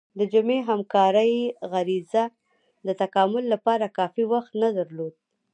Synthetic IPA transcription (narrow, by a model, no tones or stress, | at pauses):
d̪əd͡ʒʊmeɦamkɑɾəjɣaɾiza | d̪ət̪akɑmʊlːapɑɾakɑfiwaxt̪nad̪aɾlod̪̚